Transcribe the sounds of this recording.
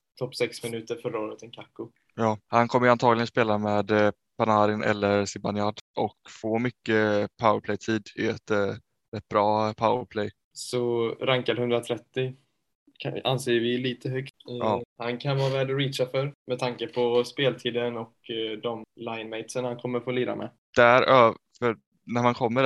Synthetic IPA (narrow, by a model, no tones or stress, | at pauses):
t̪ʰɔpːsɛksmɪnʉ̟ːt̪əɾfœɾaoːɾət̪ʰɛnkʰakːʊ | jɑːhankʰɔmːəjəant̪ʰɑːɡlɪɡənspeːlameːd̪ | pʰanaːɾɪnʔɛ̰lːəɾsɪbanɪaɖ̪ʔɔkfoːmʏkːəpʰawəɾpʰlɛjt̪ʰiːd̪ɪɛt̪ | ɾɛt̪̚ːbɾɑːpʰawəɾpʰlɛj | sɔɾaŋkaɾhɵnd̪ɾat̪ʰɾɛt̪ːɪ | aa̰nseːəvɪliːt̪ʰəɦœɡ̪ɑːhankʰanvɑːvɛːd̪ɔɾiːʃafœɾmɛt̪ʰaŋkəpʰɔspeːlt̪ʰiːd̪ənɔkd̪ɔmlajnmɛɪt̪sənhankʰɔmːəɾfoːliːɾa̰mʔɛ̰ | d̪̥æɾøːfœɾ | næɾmankʰɔmːəɾ